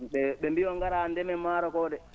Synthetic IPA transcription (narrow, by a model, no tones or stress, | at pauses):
ɓɛɓɛmbijɔŋɡaɾandɛmɛmaːɾɔkɔːɗɛ